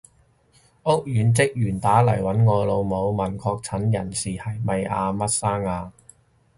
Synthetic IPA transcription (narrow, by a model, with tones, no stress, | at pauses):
ʔo˥k̚jyː˨˥nt͡sɪ˥k̚jyː˨˩nt̪aː˨˥lɐ˨˩jwɐ˨˥nŋɔː˨˧lo˨˧wmo˨˧wmɐ˨˩nkʰɔː˧k̚t͡sʰɐ˨˥njɐ̰˨˩nsiː˨hɐ˨˩jmɐ˨jʔa̰ː˧mɐ˥t̚saː˥ŋaː˧